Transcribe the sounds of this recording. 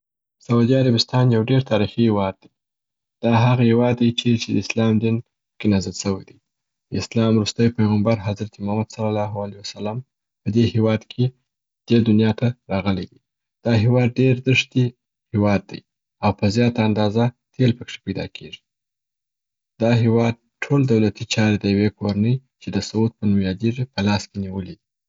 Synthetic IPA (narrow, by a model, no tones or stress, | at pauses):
saud̪iaɾabɪst̪ɑnjawɖeɾt̪ʰɑɾixihewɑd̪̚ːaj | d̪̥ɑɦaɣahewɑd̪ːajt͡ʃet͡ʃed̪əɪslɑmd̪in | kenazalsəwajd̪aj | d̪ɪslɑmɾust̪əjpajɣambaɾɦazɾat̪imahmad̪salalɑɦualijwasalam | pəd̪ehewɑd̪kʰe | d̪̥ed̪ʊnjɑt̪aɾɑɣəled̪i | d̪̥ɑɦewɑd̪̚ɖeɾd̪əʂt̪i | hewɑd̪̚ːə̰j | awpəzjɑt̪aːnd̪ɑza | t̪ʰelpəkʂe̥pajd̪ɑ̰kʰeʐi̥ | d̪̥ɑɦewɑd̪̚ | ʈʰold̪awlat̪it͡ʃɑɾed̪əjawekoɾanəjt͡ʃed̪əsawut̪̚pənumjɑd̪iʐipəlɑskeniwəlid̪i